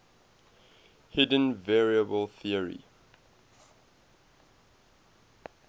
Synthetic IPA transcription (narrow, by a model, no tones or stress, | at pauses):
hɪdə̃nvɛɹiəbəlˠθiəɹḭ